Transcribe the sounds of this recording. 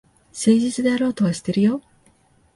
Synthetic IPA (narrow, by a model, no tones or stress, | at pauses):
se̞ːʑit͡sɨd̪e̞aɾo̞ːt̪o̞βaɕi̥t̪ːeɾɯ̟jo̞